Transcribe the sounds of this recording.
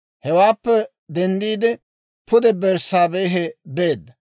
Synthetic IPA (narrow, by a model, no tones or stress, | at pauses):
hɛwaːpːɛ | d̪ɛnd̪iːd̪ɪ | pʰʊd̪ɛbɛɾsaːbejːɦɛbeːd̪ːɐ